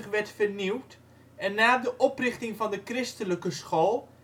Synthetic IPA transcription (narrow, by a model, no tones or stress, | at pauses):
əχʋɛɹtfərniwt | ɛnːaːdəʔɔprɪχtɪŋvɑndəkrɪstələkəsχoːlˠ